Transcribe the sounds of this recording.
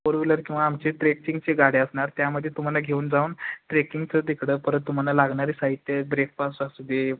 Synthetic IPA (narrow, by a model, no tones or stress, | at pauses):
poɾʋiləɾkĩw̃ʋaːmt͡ɕeʈɾekĩŋɡt͡ɕeɡaɽeəsɳaɾt̪jaməd̪ʱːjet̪um̤alaɡʱeuːnd͡zauːnʈɾekiŋɡt͡səd̪ekʰɽəpəɾət̪ːum̤alalaɡɳaɾiːsaɦit̪ːjəbɾek̚pasasud̪ʱːe